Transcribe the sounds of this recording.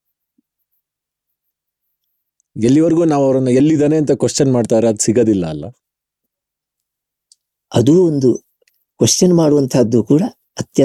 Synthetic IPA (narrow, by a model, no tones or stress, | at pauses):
elːiʋɐɾɡuːnaːʋɐʋɐɾɐnːɐelːid̪aːne̞ɐnt̪ɐkwɐʂt͡ʃɐnmaːɖt̪aːɾeɐd̪usiɡɐd̪ilːɐːlːɐ̰ | ɐd̪uːond̪u | kʋɐʂt͡ʃɐnmaːɽuʋɐnt̪ʰɐd̪ːukuːɽɐ | ɐt̪jɐ